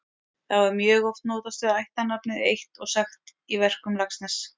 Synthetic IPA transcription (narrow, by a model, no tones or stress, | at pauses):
θavaɾmjœːɣɔft̪noːwt̪ast̪ʏajht̪anːapnɪðejht̪ɔɣsaxt̪ | ivɛr̥kʏmlaksnas